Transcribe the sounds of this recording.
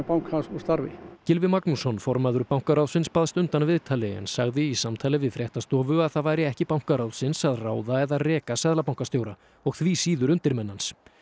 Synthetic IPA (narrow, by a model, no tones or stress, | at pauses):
pawŋkhansust̪aɾvɪ̰cɪlvɪmaknusɔnfɔɾmaðʏɾpawŋ̥kaɾawðsɪnspaðst̪ʏnt̪anvɪðt̪ʰaːlɪɛ̰nsaɣðɪisamt̪ʰaːlɪvɪðfɾjɛht̪ast̪ɔːvʏaðθaðvaːjɾɪɛhcɪpawŋ̥kaɾawðsɪnsaðraːwðaɛðarɛːkasɛðlapawŋkast̪jowɾa | ɔɣθviːsiːðʏɾʏnt̪ɪɾmɛnːans